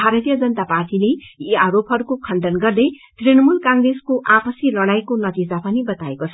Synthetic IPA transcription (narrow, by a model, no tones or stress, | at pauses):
bʱaɾʌt̪ijʌd͡zʌnt̪aparʈileiaɾopɦʌɾukokʰʌnɖʌnɡʌrd̪ʌj | t̪rinʌmulkãŋɡreskoʔapʌsjilʌɽajkonʌt̪id͡zapʌnibʌt̪aekot͡sʰʌ